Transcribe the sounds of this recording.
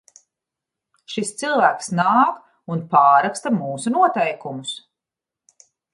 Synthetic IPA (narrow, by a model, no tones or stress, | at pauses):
ʃist̪silˠvæːksnaːk | unpaːɾakst̪amuːsunuɔt̪ɛjkumʊs